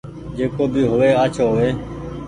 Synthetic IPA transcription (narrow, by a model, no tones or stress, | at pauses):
d͡ʒeːkoːbʱiːɦoːʋeːat͡ʃʰoːɦoʋeː